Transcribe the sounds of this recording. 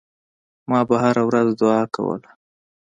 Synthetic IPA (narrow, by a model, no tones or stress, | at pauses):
mɑbaɦaɾawɾazd̪ʊɑka̰wə̰la